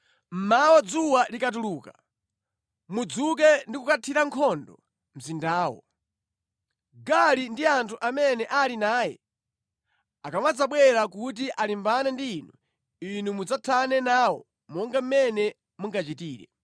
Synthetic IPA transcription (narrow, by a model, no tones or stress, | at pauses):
m̩mawɔd͡zuwalikatuluːka | mud͡zuk̬ɛndikukatʰiɾaŋkʰɔndɔ | m̩zindaːwɔ̰ | ɡalindiantʰuʔamɛnɛʔalinaːjɛ | akamwad͡zaɓwɛɾakut̬iʔalimbanandiːnu | inumud͡zatʰanɛnaːwɔ̰ | mɔŋɡam̩mɛnɛ | muŋɡat͡ʃitiːɾɛ̰